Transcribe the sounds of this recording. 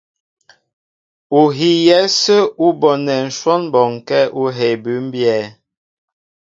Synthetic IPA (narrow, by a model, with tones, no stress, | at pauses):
u˨ɦi˨jɛ˦sə˦u˦bɔ˨nɛ˨n̩˨ʃwɔ˦nbɔ˨ŋ˨kɛ˦ʔu˦ɦe˨bʉ˨˦m̩˦bjɛ˦˨